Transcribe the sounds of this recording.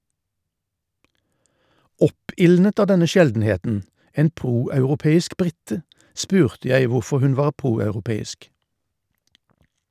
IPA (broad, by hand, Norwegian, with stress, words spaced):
ˈɔpɪlnət ˈɑː ˈdɛnə ˈʃɛldn̩ˌheːtn̩ ˈeːn ˈpʁuːɑʉʁʊˌpeːɪsk ˈbʁɪtə ˈspʉːʁtə ˈjæɪ ˈʋʊʁfɔʁ ˈhʉn ˈʋɑːʁ ˈpʁuːɑʉʁʊˌpeːɪsk